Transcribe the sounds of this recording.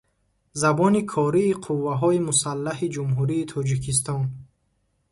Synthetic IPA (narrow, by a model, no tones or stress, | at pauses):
zabɔnikʰɔɾiːqʰuvːaɦɔimusalːaɦid͡ʒumɦuɾiːt̪ʰɔd͡ʒikʰis̬t̪ɔn